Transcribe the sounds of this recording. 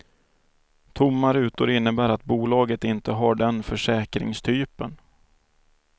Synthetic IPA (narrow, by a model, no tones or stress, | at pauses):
t̪ʰʊmːaɾʉ̟ːt̪ʊɾɪnːəbæːɾat̪̚buːlɑːɡət̪ɪnt̪əɦaɖɛnfœʂɛːkɾɪ̰ŋst̪ʰyːpə̰n